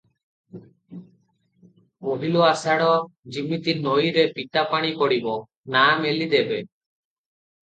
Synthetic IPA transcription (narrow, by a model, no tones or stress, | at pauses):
oɦiloasaɽɔd͡ʒimit̪inojɾepit̪apaɽ̃ikɔɽibɔ | namelid̪ebe